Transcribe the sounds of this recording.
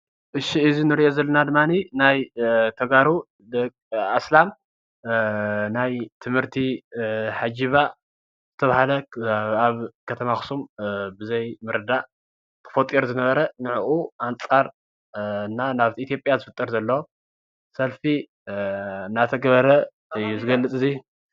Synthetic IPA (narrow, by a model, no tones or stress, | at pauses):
ʔɨʃiɨzinɨɾiʔo̞zɐlːɐnad̪ɨmːaninajt̪ʰɐɡaɾu | d̪ɐkʼaslam | najt̪ʰɨmhɨɾt̪ʰiħad͡ʒiβa | z̥ɨt̪ʰɐβahalɐaβkʰɐt̪ʰɐmaxɨ̥sumbɨzɐjmɨɾɨd̪aʔ | t̪ʰɨ̥fot̪ʼːiɾzɨnɐβɐɾɐnɨʕʔuʔant͡sʼaɾ | ɨnːanaβt̪ʰiʔːt̪ʰijo̞pʼjazɨfɨt̪ʼːɐɾzɐlːɐwo | sɐlfi | ɨnːat̪ʰɐɡɐβɐɾɐ | juzɨɡɐlːɨt͡sʼɨzi